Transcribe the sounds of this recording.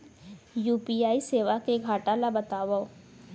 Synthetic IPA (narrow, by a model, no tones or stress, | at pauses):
juːpiaːiseːʋakeɡʱaːʈalabɐt̪aːʋao